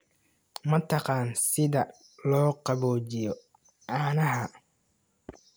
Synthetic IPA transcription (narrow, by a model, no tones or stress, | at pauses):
mɐt̪ʰɑqɑːnsɪðɐ | lɔːqɑβɔːt͡ʃɪjɔ | ʕɑːnɐɦɐ